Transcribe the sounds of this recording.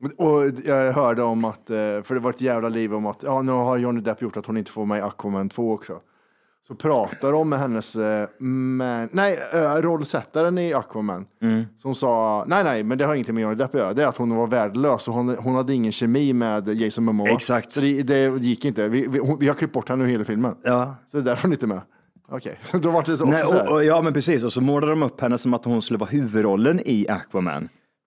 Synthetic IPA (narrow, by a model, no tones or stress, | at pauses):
ɔjɑɡɦœːɖəɔmat̪fœɖɛvaɾɪt̪jæːvlaliːvɔmat̪jɑːnʉ̟ːɦaɾjɔnɪd̪ɛpːjʊʈːat̪hʊnɪnt̪ə̥foːɾmɛɪakʰːamɛnt̪ʰvoːɔksɔ̰ | sɔpʰɾɑːt̪ad̪əɔmːɛɦɛnːəs | mɛnnæɪɾɔlːsɛt̪ːaɾənɪakʰːvamɛ̰nːsɔmsɑːnæɪnɛɪmɛnd̪ɛhaɾjɪŋːət̪ɪŋːɔjœːɾadɪd̪ɛfpjøːɾd̪ɛɾat̪hʊnvaɾvæːɖɭøːsɔɦʊnɦʊnhad̪ːəɪŋːənɕɛmiːmɛːd̪jɛɪsɔmːəmːɔɛksakt̪ɔd̪ɛd̪ɛd̪jɪkːɪnt̪əvɪvɪhʊnvɪhaɾkʰlɪp̚bɔʈːhɛnːəheːlafɪlmənɑːsɔd̪ɛd̪æɾfəɾhʊnɪnt̪əmɛ | ɔkʰɛ̰jɔd̪ɔvaʈ̚ːd̪ɛsɔɔɛsɔɔæɾjɑːmɛnpʰɾɛsiːsɔsɔmoːlad̪ɾɔmɵpːhɛnːəsɔmat̪hʊnskɵləvɑːɦʉ̟ːvɵd̪ɾɔlːənɪa̰kʰwamæ̰n